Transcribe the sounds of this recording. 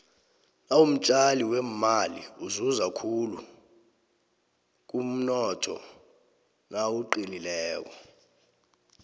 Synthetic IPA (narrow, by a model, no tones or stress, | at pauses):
nawum̩t͡ʃʼaliwemmalḭuzuzakʰulu | k̬ʼum̩nɔtʰɔ̰ | nawuǃililɛːk̬ɔ